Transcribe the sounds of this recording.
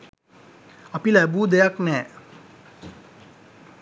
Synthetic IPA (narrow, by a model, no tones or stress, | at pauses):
ɐpilaɛbuːd̪ejaknɛː